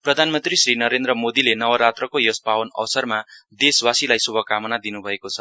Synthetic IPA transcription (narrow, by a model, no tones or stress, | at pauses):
prʌd̪ʱanmʌnt̪risrinʌɾend̪rʌmod̪ilenʌwʌɾat̪rʌkojospawʌnʌ̰wsʌrmad̪eswasilajsubʱʌkamʌnad̪inubʱʌekot͡sʰʌ̥